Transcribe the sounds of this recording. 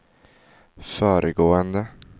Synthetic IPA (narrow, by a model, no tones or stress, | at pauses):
føːɾʔəɡoːənd̪ə